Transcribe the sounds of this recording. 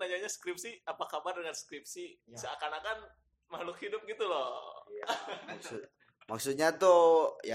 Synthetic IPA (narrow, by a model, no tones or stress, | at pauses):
naɲaɲaskɾɪp̚siapakabardəŋanskɾɪp̚sisəakanakan | malʊkhidʊp̚ɡit̪ulɔ | aksʊ | maksut̪̚ɲat̪oja